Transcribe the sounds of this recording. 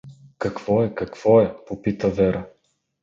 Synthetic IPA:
kɐkvɔɛkɐkv̥ɔɛpopit̪əvɛɾə

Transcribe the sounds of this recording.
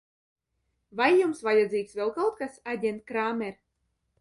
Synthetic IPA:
vajːumsvajad̪ziːksvʲɛlˠkawt̪̚kasad̪ʲɛnt̪̚kɾaːmʲɛɾ

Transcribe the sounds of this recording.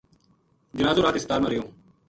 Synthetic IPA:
d͡ʒɪnaːzuːɾaːt̪ɪst̪aːɾmãːɾɪjõː

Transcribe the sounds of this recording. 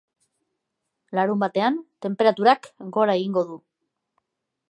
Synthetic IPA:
laɾumbat̪e̞ant̪e̞mpe̞ɾat̪uɾakɡo̞ɾaeɣiŋɡo̞ðu

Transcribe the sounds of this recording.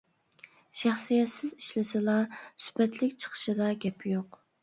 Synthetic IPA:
ʃæχsijɛt̪sɪziʃlɪsɪlˠɑsy̥bɛt̪ʰlɪkʲt͡ʃʰə̥qʰə̥ʃɨd̪ɑɡʲɛpʰjoq

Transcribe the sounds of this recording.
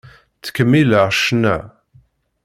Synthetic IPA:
t͡sːə̥kːəmːiləʁʃnæ

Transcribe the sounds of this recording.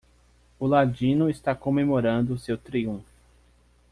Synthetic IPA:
ʊlad͡ʒĩnʊest̪akomemoɾɐ̃nd̪ʊsewt̪ɾiũfʊ

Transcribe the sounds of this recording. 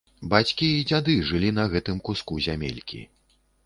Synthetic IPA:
bat͡sʲkʲiːd͡zʲad̪ɨʐɨlʲinɐɣɛt̪ɨmkuskuzʲamʲḛlʲkʲḭ

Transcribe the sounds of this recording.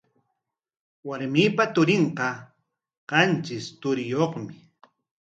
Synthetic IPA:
waɾmiːpat̪ʊɾɪɴqɑ | qɑnt͡ʃɪst̪ʊɾɪjoχmɪ

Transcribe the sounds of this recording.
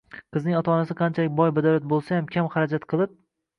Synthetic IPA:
qʰɨznɪŋɒt̪ʰanasɪqʰɑnt͡ʃʰalɪk̚ʲbɒjbad̪aɾat̪̚bolˠsajamkʲʰamχaɾad͡ʒat̪qʰɨlˠɪp̚

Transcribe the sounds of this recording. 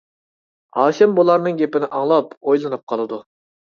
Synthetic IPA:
ɑːʃɛmbolˠɑɾnɨŋɡʲepɪnɪʔɑŋlˠɑpojlˠɨnɨp̚qʰɑlˠɨd̪u

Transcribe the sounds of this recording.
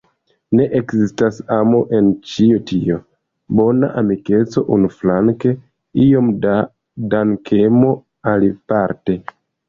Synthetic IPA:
ne̞ʔekzistasamo̞ʔe̞nt͡ʃiotʰio̞ | bo̞na̰ʔamike̞t͡so̞ʔunuflaŋke̞ | io̞mda | daŋkʰe̞mo̞ | alipaɾte̞

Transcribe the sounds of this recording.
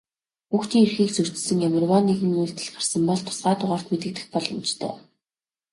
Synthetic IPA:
xuːxt͡ɕ̪iːŋerxiːkt͡sur̥t͡ɕ̪̆sɘ̆ŋjamɪ̆rwɔːniɣɘ̆ŋujɮt̪ɘ̆ɮɢarsə̆mpɔɮt̪ʰʊ̥sɢaːt̪ʊʁaːr̥t̪met̪ɘ̆k̚t̪ɘ̆xpɔɮɞ̆mt͡ɕt̪ʰœ̰ː

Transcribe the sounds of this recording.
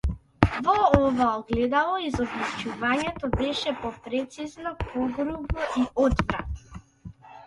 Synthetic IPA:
vɔɔvaɔɡlɛd̪alˠɔizɔblut͡ʃuvaɲɛt̪ɔbɛʃɛpɔpɾɛt̪siznɔpɔɡɾubɔʔiɔd̪vɾat̪

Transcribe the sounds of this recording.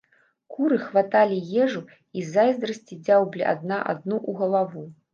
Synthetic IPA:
kuɾɨxvat̪alʲijɛʐu | izajzd̪ɾɐsʲt͡sʲid͡zʲawblʲiʔa̰d̪naʔa̰d̪̚nuʔuɣɐlˠavu

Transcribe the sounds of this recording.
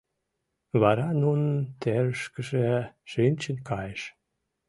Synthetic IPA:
βɑɾɑnunənt̪eɾəʃkəʒeʃynʲt͡ɕənkɑjeʃ

